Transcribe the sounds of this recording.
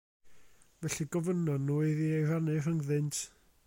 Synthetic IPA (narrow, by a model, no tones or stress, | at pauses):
vɛɬiɡɔvənɔdnuːɨðiejranɨrəŋðɪntʰ